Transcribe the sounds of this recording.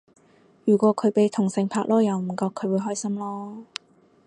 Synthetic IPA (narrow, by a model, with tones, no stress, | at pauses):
jyː˨˩kʷɔː˨˧˥kʰɵ˨˧ɥpe˨jt̪ʰʊ˨˩ŋsɪ˨˧ŋpʰaː˧k̚lɔː˥jɐ˨˧wm̩˨˩kɔː˧kʰːɵ˨˧ɥwuː˨˧jɦɔː˥jsɐ˥mlɔː˥